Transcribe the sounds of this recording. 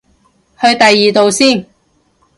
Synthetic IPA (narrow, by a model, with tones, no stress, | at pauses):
hɵ˧ɥt̪ɐ˨jːiː˨t̪o˨wsiː˥˩n